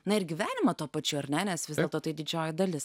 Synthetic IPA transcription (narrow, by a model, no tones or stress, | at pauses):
nɐɪɾɡʲɪʋʲæːnʲɪmɐt̪uːpɐt͡ʃʲʊɐɾʲnʲɛnʲɛsʋʲɪzd̪ʲɛlˠt̪oːt̪ɐɪd̪ʲɪd͡ʒʲoːjɪd̪ɐlʲɪs